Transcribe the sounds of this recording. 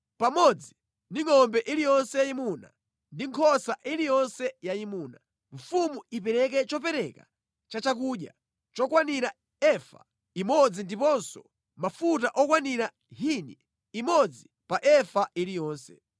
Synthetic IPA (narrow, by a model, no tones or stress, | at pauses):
pamɔd͡zi | ndiŋɔmbɛʔilijɔnsɛjaimuna̰ | ndiŋkʰɔsaʔilijɔnsɛjaimuːna | ɱ̩fumuipɛɾɛk̬ɛt͡ʃɔpɛɾɛka̰ | t͡ʃat͡ʃak̬uːɗja̰ | t͡ʃɔkwaniɾa | ɛfa̰ | imɔd͡zindipɔnsɔ | mafutaʔɔkwaniɾa | ɦini | imɔd͡zi | paʔɛfaʔilijɔːnsɛ